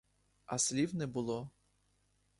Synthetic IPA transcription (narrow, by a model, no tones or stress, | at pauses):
ɐsʲlʲiwnɛbʊlˠɔ